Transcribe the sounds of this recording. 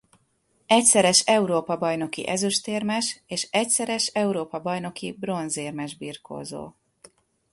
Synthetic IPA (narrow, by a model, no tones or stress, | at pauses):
ɛcsɛɾɛʃɛuɾoːpɒbɒjno̞kḭʔɛzøʃt̪eːrmɛʃeːʃɛcsɛɾɛʃɛuɾoːpɒbɒjno̞kibro̞nzeːrmɛʒbiːrko̰ːzo̰ː